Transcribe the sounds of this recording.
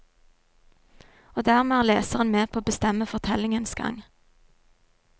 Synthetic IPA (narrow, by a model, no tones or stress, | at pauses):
oːd̪æːʁmeæːʁleːsəʁənmeːpʰoːoːbəst̪ɛməfɔʁt̪ʰɛlɪŋənsɡɑ̰ŋ